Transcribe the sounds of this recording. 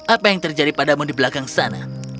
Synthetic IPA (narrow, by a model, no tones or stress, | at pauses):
apajaŋt̪ərd͡ʒadipadamʊndibəlakaŋsana̰